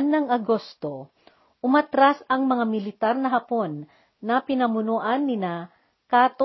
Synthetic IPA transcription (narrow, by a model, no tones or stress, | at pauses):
nːɐŋɐɡost̪o | ʔʊmat̪ɾasɐŋmɐŋamɪlɪt̪aɾnɐɦɐpo̞nː | ɐpɪnɐmʊnoʔanːɪna | kaːt̪o